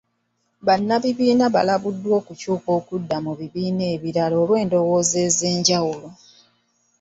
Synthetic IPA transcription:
βanːaβiβiːnaβa̰laβudːwo̞ːkucuːko̞ːkudːamuβiβiːneːβiɾalo̞ːlwe̞ːndo̞wo̞ːze̞ːze̞ːɲɟawulo̞

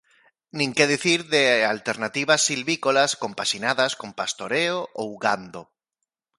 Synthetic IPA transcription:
nĩŋkeðiθiɾðealt̪eɾnat̪iβ̞asilβikolaskõmpaʃinaðaskompast̪oɾeoʔowɣand̪o

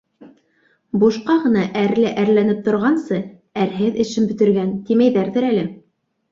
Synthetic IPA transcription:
buʃqɑʁɤ̆nɑʔæɾlɘʔæɾlænɘp̚t̪ŏɾʁɑnsɤ | æɾɦɘðɘ̆ʃɘnbɵ̆t̪ɘ̆ɾɡænt̪imæjðæɾðɘɾælɘ

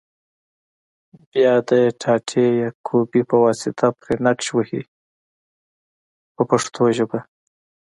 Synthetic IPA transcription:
bjɑd̪əʈʰɑʈʰejɑkʰobipəwɑsɪt̪ʰapɾenakʃwəhḭ | pəpaʂt̪ʰoʒəba

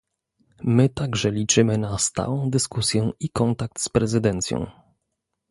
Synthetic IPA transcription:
mɘt̪aɡʐɛlʲit͡ʂɘmɘnast̪a̰wɔ̃w̃d̪ɘskusʲjɛikɔnt̪ak̚t̪spɾɛzɘd̪ɛnt̪sʲjɔ̰̃w̃

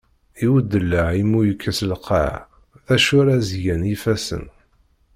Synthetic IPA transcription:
iwəd̪ːəlːəʕimːujəkʰːæslqa̰ʕ | θæʃʊɾazjænifæsə̰n

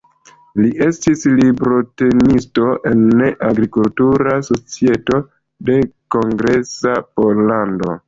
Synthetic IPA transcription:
liʔe̞stislibɾo̞te̞nisto̞ʔe̞nːeʔaɡɾikultuɾaso̞t͡sie̞to̞ | de̞ko̞ŋɡɾe̞sapo̞lando̞̰

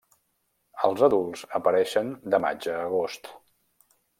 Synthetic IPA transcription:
əlˠzəðulˠzəpəɾɛʃənd̪əma̰d͡ʒəːɣ̞ost̪

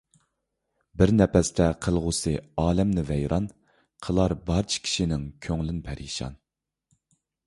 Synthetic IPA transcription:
bɪɾnɛpɛst̪ʰɛqʰəlˠʁʊsɨɑːlɛmnɪvɛjɾʔɑn | qʰəlˠɑɾbɑɾt͡ʃʰi̥kʲʰi̥ʃinɪŋkʲʰøŋlynpʰɛɾḭʃɑ̰n

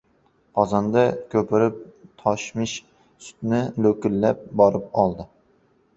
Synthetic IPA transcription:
qʰɒzɑnd̪akʲʰɵpʰɪɾɪp̚t̪ʰɒʃmɪʃ | sʊ̥t̪nɪlɵkʲɪlːap̚bɒɾɪp̚ɒlˠd̪ɪ

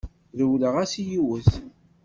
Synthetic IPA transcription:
ðəwləʁæsijiwəθ

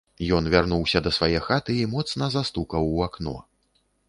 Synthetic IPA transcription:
jɔnvʲarnuwsʲɐd̪ɐsvajɛxat̪ɨimɔt̪snɐzast̪ukɐwaknɔ̰

